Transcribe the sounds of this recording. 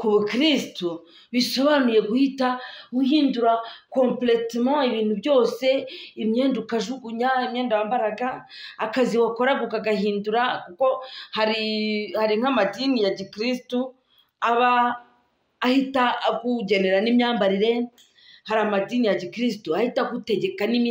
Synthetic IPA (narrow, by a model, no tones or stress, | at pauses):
kuβukɾistu | βiʃoβanuje̞ɡuhitaɡuhiːnduɾakõmpletmãiβiːn̥hubjo̞ːse̞imɲeːndukaʒuɡuɲaimɲeːndawambaɾaɡaː | kaziwakoɾaɡukaɡaɦiːnduɾakuko̞haɾihaɾiŋ̥amadinijaɟikɾistu | aβaː | hitakuɟeneɾanimɲaːmbaɾiɾe̞ | haɾamadiːnijaɟikɾis̬tuahitakute̞ɟe̞kanim